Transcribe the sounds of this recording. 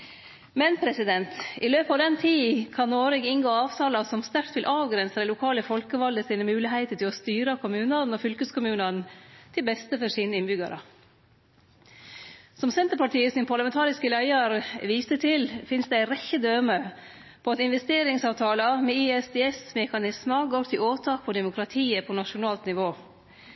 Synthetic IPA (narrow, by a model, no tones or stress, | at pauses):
mɛnpʰɾɛsɪd̪ɛnt̪ɪløːpɑːʋd̪ɛnt̪ʰiːkʰɑnːoːɾɪɡɪŋɡoːɑːʋt̪ʰɑːlɑsɔmst̪æɾt̪ʋɪlʔɑːʋɡɾɛnsəd̪ɛlʊkʰɑːləfɔlkəʋɑld̪əsiːnəmʉːlɪɦæɪt̪əʈ̪ʰɪlɔst̪yːɾəkʰʊmʉːnənɔfʏlkəskʰʊmʉːnənt̪ʰɪlbɛst̪əfɔʂiːnəɪnbʏɡɑ̰ɾə̰ | sɔmsɛnt̪əɾpɑʈʰiːəsɪnpʰɑɾlɑmɛnt̪ʰɑːɾɪskəlæɪəɾʋiːsət̪ʰɪlfɪnsd̪ɛæɪɾɛçːəd̪øːmə | pʰɔɑt̪ɪnʋɛst̪eːɾɪŋsɑːʋt̪ʰɑːləmɛɪɛsd̪eːɛsmɛkɑnɪsməɡoːɾt̪ʰɪloːt̪ʰɑːk̚pʰɔd̪ɛmʊkʰɾɑt̪ʰiːəpʰɔnɑʂʊnɑːlt̪nɪʋoː